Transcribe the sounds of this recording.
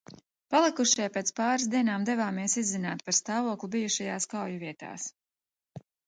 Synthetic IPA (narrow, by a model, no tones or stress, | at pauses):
palˠikuʃipeːt̪spaːɾs̬d̪iɛnaːmd̪ɛvaːmiɛsizːinaːt̪̚paɾst̪aːvuɔklˠubijuʃajaːskawjuviɛt̪a̰ːs